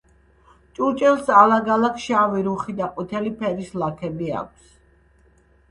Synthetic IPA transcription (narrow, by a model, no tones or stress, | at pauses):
t͡ʃʼut͡ʃʼɛlˠsalaɡalˠakʰʃaviɾuχid̪aqʼut̪ʰɛlipʰɛɾislakʰɛbia̰k̚ʷʰs